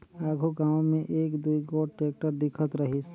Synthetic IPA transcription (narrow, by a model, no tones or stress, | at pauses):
aːɡʱuɡãːʊ̃mẽʔeːkd̪uiɡoːɖʈeːk̚ʈəɾd̪ɪkʰət̪ɾəɦis